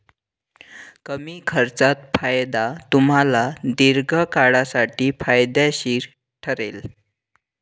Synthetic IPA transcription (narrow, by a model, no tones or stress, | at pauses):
kəmiːkʰəɾt͡sat̪̚fajd̪at̪umɦalad̪iɾɡʱəkaɽasaʈiːfajd̪jaɕiːɾ | ʈʰəɾel